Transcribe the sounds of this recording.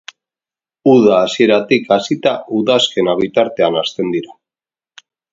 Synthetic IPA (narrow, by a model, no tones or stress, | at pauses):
uðaːsie̞ɾat̪ikasit̪aʔuðaske̞naβ̞it̪aɾt̪e̞anast̪e̞nd̪iɾa